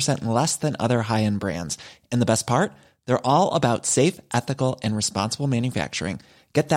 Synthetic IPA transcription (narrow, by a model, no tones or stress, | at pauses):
sɛ̃ñʔn̩lɛsðɨ̃nʌ̰ðə˞ɦaɪɨ̃nbɹæ̰̃ndz̥ɨ̃nðəbɛs̚pʰɑɹt̪̚ | ðə˞ʔɔlˠə̰baʊtseɪfʔɛθɨkl̩ˠɨ̃nɹɨspɑ̰̃nsəbl̩ˠmæ̃njɨfæ̰k̚t͡ʃə̰˞ɪ̰̃ŋ | ɡ̥ɛt̪̚ð